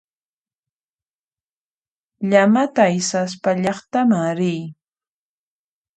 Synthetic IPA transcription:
ʎamat̪ajsas̬paʎɑχt̪amaɾɪj

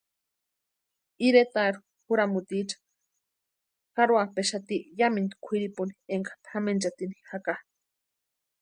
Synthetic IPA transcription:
iɾet̪aɾu̥ | xuɾamut̪it͡ʃḁ | kaɾwapeʃat̪ijamind̪i̥kʷʰiɾipunieŋkḁpʰxamend͡ʒat̪ini̥xaka

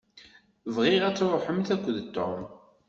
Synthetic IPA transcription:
vʁɪʁæt͡sːɾˤoħəmθækʷːəðt̪ːo̰m

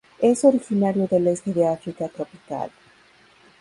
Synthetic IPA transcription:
e̞so̞ɾixinaɾjo̞ðe̞le̞st̪e̞ðeafɾikat̪ɾopi̥ka̰l

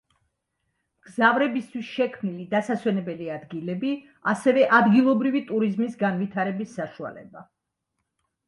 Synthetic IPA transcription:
mɡ̥zavɾɛbist̪ʰwisʃɛkʰmnilid̪asaswɛnɛbɛliad̪ɡilɛbi | asɛvɛʔad̪ɡilˠɔbɾivit̪ʼuɾizmisɡanvit̪ʰaɾɛbisːaʃua̰lɛ̰ba

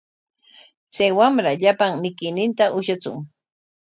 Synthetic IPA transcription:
t͡sajwamɾaʎapaŋmɪkɪjnɪnt̪aʔʊʃat͡sʊ̰ŋ

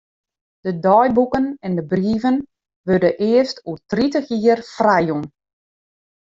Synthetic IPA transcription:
d̥ədɔjbukənɛndəbriːvən | ʋødəʔɪəstʰutritəxiərfrajun

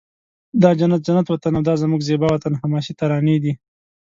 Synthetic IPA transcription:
d̪ɑd͡ʒanat̪̚d͡ʒanat̪wat̪anawd̪ɑzamuɡzebawat̪anhamɑʃit̪aɾɑned̪i

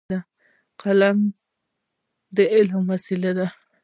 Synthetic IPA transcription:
a | qalam | d̪eɪlmasilad̪a

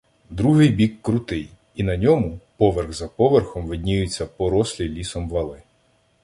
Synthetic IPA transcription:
d̪ɾuɦɪjbʲikːɾʊt̪ɪj | inɐnʲɔmʊpɔʋerɣzɐpɔʋerxɔmʋɪdʲnʲijʊt͡sʲːɐpɔɾɔsʲlʲilʲisɔmʋɐlˠɪ

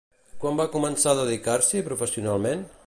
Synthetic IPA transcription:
kwambakumənsaəðəðikaɾsipɾufəsiunalˠmen

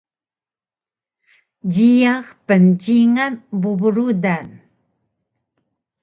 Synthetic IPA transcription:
ɟijaxpənt͡ɕiŋanbubuɾudan

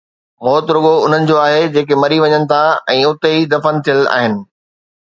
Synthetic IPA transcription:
mɔːt̪ɾʊɠoʊn̤ənɪ̆d͡ʑoːaːɦed͡ʑeːkemɐɾiʋɐɲənɪ̆t̪ʰaɛ̃ːʊt̪eɦid̪ɐfənt̪ʰijəla̰ːɦɪnɪ̆

